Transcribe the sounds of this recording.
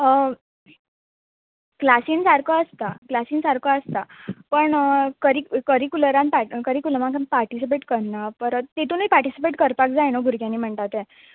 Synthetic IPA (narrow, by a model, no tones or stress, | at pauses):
klasinsaɾkəəst̪aklasiːnsaɾkəəst̪apəɳkəɾikəɾikuləɾãnpakəɾikuləmãŋkanpaɾʈisip̬eʈkəɾnapəɾt̪et̪uːniːpaɾʈisipeʈkəɾpakd͡zajnoɡʱuɾkjãnːiːm̤əɳt̪at̪ɛ̃